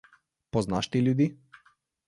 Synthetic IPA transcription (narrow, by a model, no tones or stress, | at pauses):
pɔznaʃt̪ilʲud̪i